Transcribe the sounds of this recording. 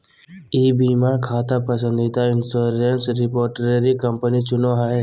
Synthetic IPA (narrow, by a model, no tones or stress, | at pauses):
iːbimãkʰaːt̪apəsə̃nd̪it̪aɪnsoːɾensɾɪpoːɾʈɾeɾikəmpənit͡ʃʊnoɦae